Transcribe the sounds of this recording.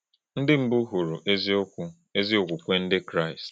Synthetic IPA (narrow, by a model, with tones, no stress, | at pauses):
n̩˦dɪ˦m̩˦bʊ˦ɦu˨ɾu˨ʔe˦zo˦ku˦ | e˦zi˦o˨kʷu˨kʷe˦n̩˦dɪ˦kɾa˦˨ɪ˨st